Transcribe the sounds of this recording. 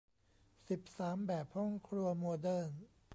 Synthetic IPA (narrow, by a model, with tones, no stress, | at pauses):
si˨˩p̚saː˩˦mbɛː˨˩p̚hɔ˥˩ŋkʰɾu˧ɐmɔː˧dɤː˥˩n